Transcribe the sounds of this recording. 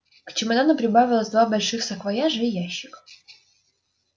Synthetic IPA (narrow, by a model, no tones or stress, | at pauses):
kt͡ɕɪmɐd̪anəpɾʲɪbavʲɪlˠəsʲd̪vabɐlʲʂɨxsɐkvɐjaʐəijaɕːɪk